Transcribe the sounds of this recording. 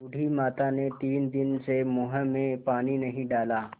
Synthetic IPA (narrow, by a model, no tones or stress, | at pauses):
ʊɽʱimaːt̪anet̪iːnd̪ɪnsemʊɦəmẽpaːninɐɦĩɖaːlaː